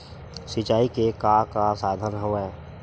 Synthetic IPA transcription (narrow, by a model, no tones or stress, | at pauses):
sɪt͡ʃaːikekakasaːd̪ʱənɦoʋeː